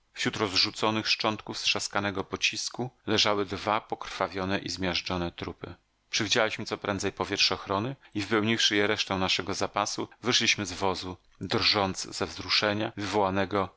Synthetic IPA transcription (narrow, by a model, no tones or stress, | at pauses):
fɕɾut̪ɾɔzʐut̪sɔnɘxʂt͡ʂɔnt̪kufsʂaskanɛɡɔpɔt͡ɕiskulɛʐawɘd̪vapɔkɾ̥favʲjɔnɛʔizmʲjaʐd͡ʐɔnɛt̪ɾupɘ | pʂɛvʲid͡ʑalʲiɕmɘt̪sɔpɾɛ̰̃nzɛjpɔvʲjɛtʂɛɔxɾɔnɘivɘpɛwɲifʂɘjɛɾɛʂt̪ɛ̃w̃naʂɛɡɔzapasuvɘʂlʲiɕmɘzvɔzu | d̪rʐɔnt̪sz̥ɛvzɾuʂɛɲavɘvɔwanɛɡɔ